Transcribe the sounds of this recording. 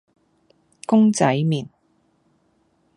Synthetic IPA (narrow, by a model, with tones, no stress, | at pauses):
kʊ˥ŋt͡sɐ˨˥jmiː˨˩n